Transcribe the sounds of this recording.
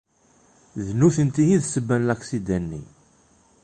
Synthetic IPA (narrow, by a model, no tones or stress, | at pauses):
ðnuθənt̪ijiðsəbːænlæksid̪ænːḭ